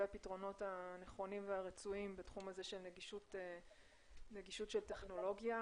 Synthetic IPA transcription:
eapitʁo̞no̞taneχo̞nimveaʁet͡suimbatχumaze̞ʃelneɡiʃute | neɡiʃutʃelteχno̞lo̞ɡja

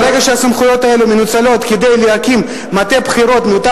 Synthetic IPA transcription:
ʁeɡaʃeasamχujo̞t̪ae̞lumenut͡salo̞t̪ked̪e̞jleakimː | at̪e̞pχiɾo̞t̪meot̪a

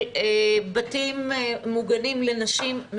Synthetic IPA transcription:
batimːuɡanimlenaʃimː

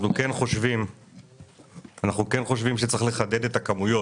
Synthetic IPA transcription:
nukenχo̞ʃvim | anaχnuke̞nχo̞ʃvimʃet͡saeχle̞χad̪e̞de̞t̪akamujo̞

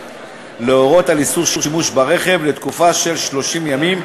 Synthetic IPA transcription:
leoʁo̞t̪alisuʁʃuʁʃimuʃbaʁe̞χe̞vlet̪kufaʃe̞lʃlo̞ʃimjamim

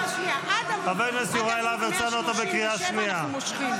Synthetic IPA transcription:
abenuesuʁaelaveʁt͡sanuot̪abekʁiaʃnia

